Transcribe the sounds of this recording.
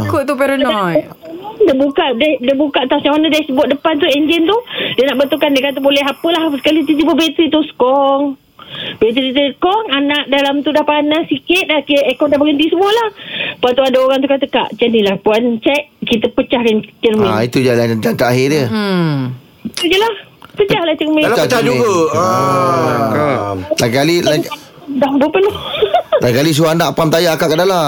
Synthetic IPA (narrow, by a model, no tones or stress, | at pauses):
kot̪upɛɾənɔj | dəbukaʔdɛhdəbukaʔt̪awsɲamanadasəbuaʔ̚dəpant̪̬uɛɲd͡ʒɛnt̪udənaʔbənt̪ukandekant̪ubolɛɦapəlahsə̥kalit̪̬ud͡ʒubəbet̪ɾit̪uskɔŋ | bet̪ɾitit̪uskɔŋanaʔdalamt̪udahpanasikɪt̪̚dakiekɔʔdahpaɡənt̪isəmuəlahpuant̪̬uadaoɣaŋt̪ukat̪əka̰ʔt͡ʃənilahpuant͡ʃaʔkit̪əpət͡ʃahkant͡ʃərmiait̪ud͡ʒalad͡ʒant̪aʔaɦɪə | it̪ud͡ʒəlahpət͡ʃahlaht͡ʃəmiat͡ʃauoa | lakalilaa | dambopəlolakalis̬uanaʔpamt̪ajakaʔkadala